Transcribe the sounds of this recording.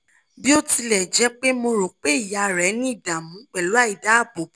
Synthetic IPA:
bi˦o˦ti˧lɛ˨d͡ʒɛ˨˦k͡pe˦mo˧ɾo˨k͡pe˦i˦˨ja˧˨ɾɛ˨˦nĩ˦i˦˨dã˨mũ˨˦k͡pɛ˨lu˨˦a˦˨i˨da˨˦˨bo˨˦

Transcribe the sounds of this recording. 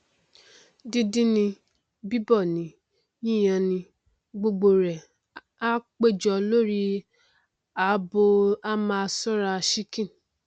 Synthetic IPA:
di˦dĩ˦nĩ˧ | bi˦bɔ˦˨nĩ˨˦ | jĩ˦˨j̃ã˧˨nĩ˧ | ɡ͡bo˧ɡ͡bo˨ɾɛ˨ | a˦k͡pe˦˨d͡ʒɔ˧lo˦ɾi˦ | a˨˦bo˧a˦mã˧a˧sɔ˦ɾa˧ʃi˦kĩ˦˨

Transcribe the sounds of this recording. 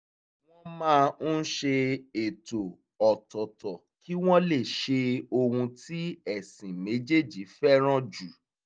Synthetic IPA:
w̃ɔ̃˦mãː˦˧n̩˦ʃe˧e˨to˨ | ɔ˨tɔ˨tɔ˨ | ki˦w̃ɔ̃˦le˦˨ʃe˧o˧hũ˧ti˦ɛ˦˨sĩ˨me˨˦d͡ʒe˦˨d͡ʒi˨˦fɛ˦ɾ̃ɔ̃˦d͡ʒu˨

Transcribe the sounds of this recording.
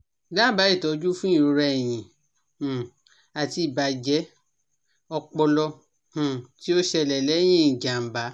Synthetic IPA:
la˦˨ba˨˦i˦˨tɔ˨˦d͡ʒu˦fũ˦ĩ˦˨ɾo˨˧ɾɛ˧ɛ˨j̃ĩ˨ | a˨ti˧˦i˨ba˨˦d͡ʒɛ˨˦ | ɔ˧k͡pɔ˧lɔ̃˧˨ | ti˦o˦ʃɛ˧˨lɛ˨lɛ˨˦j̃ĩ˦˨d͡ʒa˨m̩˨ba˨˦

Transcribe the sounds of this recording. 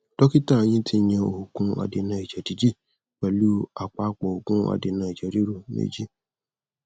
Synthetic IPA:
d̥ɔ˦ki˦ta˦˨˦j̃ĩ˦tʰi˦ɲ̃ɛ̃˧o̰˨ho˨kũ˧˦a̰˨de˨nã˨i˨d͡ʒɛ˨di˨˦d͡ʒi˦˨ | k͡pɛ˨lu˦a˨k͡pa˦k͡pɔ˨o˨kũ˦a̰˨de˨nã˨i˨d͡ʒe˨˦ɾi˦ɾo˨nḛ˦d͡ʒi˦

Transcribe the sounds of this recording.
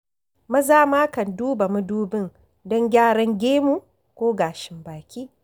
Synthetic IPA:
mɐ˦zaː˦maː˦kɐ˨nduː˦ba˨mu˦duː˦bɪ˦ŋ | dɔ˦ŋɡʲaː˦ɽɐ˦ŋɡʲeː˦mu˦˨ | kʷoː˦ɡaː˨ʃɪ˨mbaː˨kʲiː˦

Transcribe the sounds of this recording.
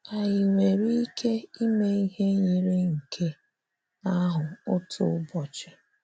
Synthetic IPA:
a˨jɪ˨ŋʷe˨ɾi˦kʰe˦i˦me˦i˦ɦe˦ɲi˨ɾɪ˦ŋ̩˨kʰe˦ | a˦ɦʊ˨ʊ˦tʰʊ̰˨ʊ˦bɔ˨t͡ʃɪ˨

